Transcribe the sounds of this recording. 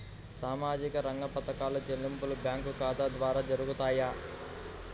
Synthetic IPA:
saːmaːd͡ʒikɐɾɐŋɡɐpɐt̪ɐkaːlɐd͡ʒelːimpulubjaːŋkukaːd̪ad̪ʋaːɾaːd͡ʒɐɾuɡut̪aːjaː

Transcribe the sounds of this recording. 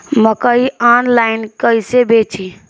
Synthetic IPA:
məkəianlaɪnkəsebet͡ʃʰi

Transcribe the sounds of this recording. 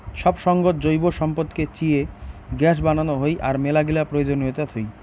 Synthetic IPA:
ʃɔbʃɔŋɡot̪̚d͡ʑojboʃɔmpot̪ket͡ɕieɡɛʃ̬bananoɦojʔaɾmelaɡilapɾojod͡ʑonɦot̪at̪ʰoj

